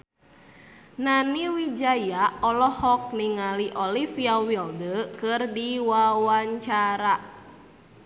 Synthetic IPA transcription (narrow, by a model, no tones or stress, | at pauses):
naniwid͡ʒajaʔɔlɔhɔk̚niŋaliʔolifiawildəkɨrdiwawaɲt͡ʃaɾa